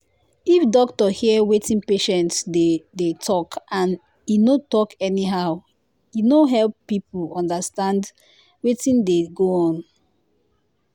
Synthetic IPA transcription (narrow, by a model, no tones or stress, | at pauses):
ifdɔktɔhiəwetĩnpeʃɛ̃ntsdedetʰɔkʰãn | inotɔkɛniɦaʊ | inoɦɛlpːip̩ʰɔ̃ndəstãnd | wetĩndeɡoɔ̃n